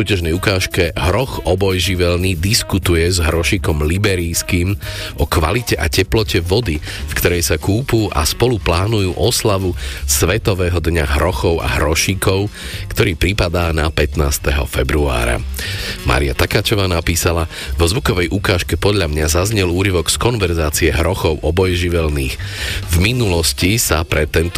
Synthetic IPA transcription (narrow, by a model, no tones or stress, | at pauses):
suːcaʒnɛjukaːʃkɛɦɾɔxɔbɔjʒiʋɛlniːd̪iskut̪ujɛzɦɾɔʃikɔmlibɛɾijskiːmʔɔkʋa̰licɛʔacɛplɔcɛʋɔd̪i | fkt̪ɔɾɛjsakuːpuːʔa̰spɔluplaːnujuːʔɔslaʋusʋɛt̪ɔʋɛːɦɔd̪ɲaɦɾɔxɔʊa̰ɦɾɔʃiːkʰɔʊkt̪ɔɾiːpɾipad̪aːnapɛt̪naːst̪ɛɦɔ̰fɛbɾua̰ːɾa̰ma̰ːɾia̰t̪akat͡ʃɔʋaːnapiːsala | ʋɔzʋukɔʋɛjʔukaːʃkɛpɔd̪ʎamɲazazɲɛluːɾiʋɔɡskɔnʋɛɾzaːt͡siɛɦɾɔxɔʊʔɔbɔjɛʒiʋɛlniːxvminulɔscisapɾɛt̪ːɛnt̪